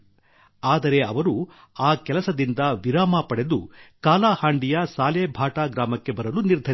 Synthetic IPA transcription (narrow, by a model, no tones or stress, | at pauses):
aːd̪ɐɾe̞ɐ̰ʋɐɾu | aːkɛlɐsɐd̪ind̪ɐʋiɾaːmaːpɐɽe̞d̪ukaːlaːhaːɳɖijɐsaːleːbʱaːʈaːɡɾaːmɐkːe̞bɐɾɐluniɾd̪ʱɐɾ